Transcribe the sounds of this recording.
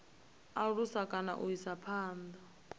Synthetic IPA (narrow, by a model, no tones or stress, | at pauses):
aɺusakʼana̰ʔuisapʰaːnd̪a